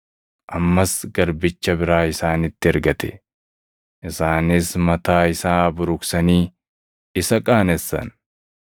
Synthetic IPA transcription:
ʔɐmːɐsɡɐɾbɪt͡ʃːɐbɪɾaːɪsaːnɪt̪ːɪɐɾɡɐt̪ɛ̥ | ʔɪsaːnɪsmɐt̪aːɪsaːbʊɾʊksɐniː | ɪsɐkʼaːnɛsːɐ̰n

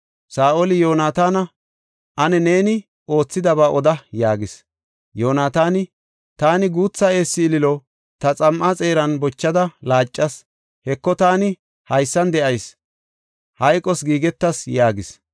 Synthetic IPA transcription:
saːʔɔlɪjoːnaːt̪aːnɐ | ʔɐnɛne̞ːnɪ | o̞ːt͡sːɪd̪ɐbaːʔɔd̪ɐjaːɡɪs | joːnaːt̪aːnɪ | t̪aːnɪɡuːt͡sːɐe̞ːsːɪːlɪlɔ | t̪ɐt͡sʼɐmʔat͡sʼe̞ːɾɐnbɔt͡ʃːɐd̪ɐlaːt͡ʃʼːɐs | hɛkːɔt̪aːnɪ | hɐjsːɐnd̪ɛʔɐjs | hɐjkʼːɔsɡiːɡɛt̪ːɐsjaːɡɪs

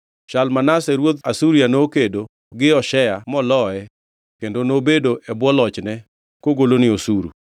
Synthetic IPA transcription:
ʃalmanasɛɾwod̪asuɾijanokedo | ɡɪɔʃɛjamɔlɔɛ | kendonobedoʔɛbwɔlɔt͡ʃnɛ | koɡolonɪosuɾṵ

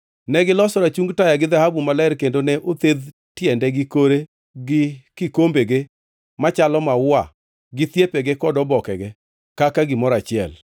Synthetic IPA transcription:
nɛɡɪlɔsɔɾat͡ʃuŋɡtajaɡɪðahabumalɛɛrkendonɛʔot̪ed̪ | tjɛndɛɡɪkoɾe | ɡɪkɪkombeɡe | mat͡ʃalɔmawa | ɡɪt̪jepeɡekɔdɔbɔkɛɡɛ | kakaɡɪmɔɾat͡ʃɪɛ̰l

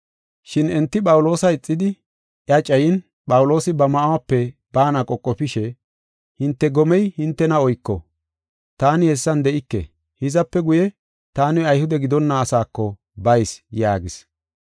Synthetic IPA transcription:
ʃɪnɛnt̪ːɪpʼɐwʊlo̞ːsɐɪt͡sʼːɪd̪ɪ | ʔjɐt͡ʃʼɐjɪn | pʼɐwʊlo̞ːsɪbɐmɐʔawɐpːɛbaːnɐkʼɔkʼːɔpɪʃɛ | hɪnt̪ːɛɡɔmɛjhɪnt̪ːɛnɐɔjkːɔ̰ | t̪aːnɪhɛsːɐnd̪ɛʔɪkːɛ̰ | hɪzɐpːɛɡʊjɛ | t̪aːnɪɐjhʊd̪ɛɡɪd̪ɔnːɐːsaːkːɔ | bɐjsjaːɡɪs

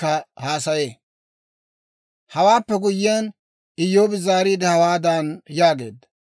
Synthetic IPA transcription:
ɐhaːsɐjeː | hɐwaːpːɛɡʊjɪaːn | ɪjːo̞ːbɪzaːɾiːd̪ɛhɐwaːd̪anjaːɡe̞̰ːd̪ːɐ̥

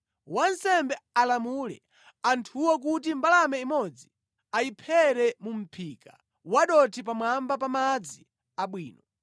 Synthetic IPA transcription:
wansɛmbɛalamulɛ̰ | antʰuwɔk̬utimbalamɛimɔd͡zi | aipʰɛɾɛmum̩pʰika̰ | waɗɔtʰip̬amwambap̬amad͡zi | aɓwiːnɔ

